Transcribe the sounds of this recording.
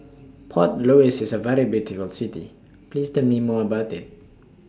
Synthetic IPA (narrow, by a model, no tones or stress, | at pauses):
pʰɔtloɪsɪzəvɛɹibjutɪfəlˠsɪtḭ | pʰliːztə̃mimɔəbaʊtɪt̚